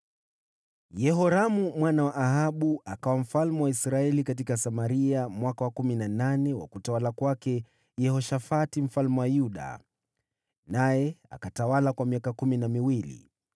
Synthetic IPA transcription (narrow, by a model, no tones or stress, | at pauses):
jɛɦɔɾamumwanawaʔːhaɓuakawam̩falmɛwaisɾaɛlikat̬ikasamaɾiamwakawakuminananɛwa̰kutawalakwakɛ | jɛhɔʃafatim̩falmɛwajuɗa̰ | najɛa̰katawalakwamiakakuminamiwilḭ